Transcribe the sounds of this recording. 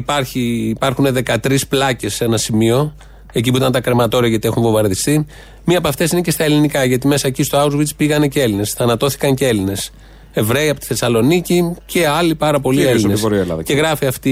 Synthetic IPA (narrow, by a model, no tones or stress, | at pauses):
ipɐɾçiːpɐɾxune̞ðe̞kɐt̪ɾisplɐce̞se̞nɐsimio̞ | e̞c̬ip̬uit̪ɐnt̪ɐkɾe̞mɐt̪o̞ɾiɐʝɐt̪ie̞xunvovɐɾðist̪i | miɐpɐft̪e̞sinece̞st̪ɐelinikɐʝɐt̪ime̞sɐecist̪oɐuzvit͡spiɣɐne̞cee̞line̞sθɐnɐt̪o̞θi̥kɐɲcee̞line̞s | e̞vɾe̞iɐpo̞t̪iθe̞sɐlo̞nicice̞ɐlipɐɾɐpo̞lielsinesoɾielɐðɐeɣɾɐfiɐft̪i